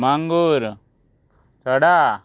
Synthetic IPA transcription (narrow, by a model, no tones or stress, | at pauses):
maŋɡuɾ | t̪ɔɽa